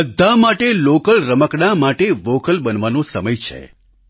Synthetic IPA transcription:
əd̪ʱːamaʈelokəlɾəməkɽamaʈeʋokəlbənʋanõsəməjt͡ʃʰḛ

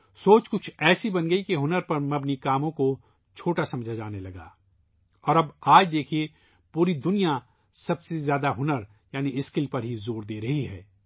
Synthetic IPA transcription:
soːt͡ʃkʊt͡ʃʰɛːsibɐnɡɐikeɦʊnəɾpɐɾmɐbnikaːmõko | t͡ʃʰoːʈasɐ̃md͡ʒʱad͡ʒaːnelɐɡa̰ː | ɔːɾɐbaːd͡ʒd̪eːkʰie | puːɾid̪ʊnija | sɐbsezjaːd̪aɦʊnəɾ | jaːniɪskɪlpɐɾɦizoːɾd̪eːɾɐɦiɦɛ̰ː

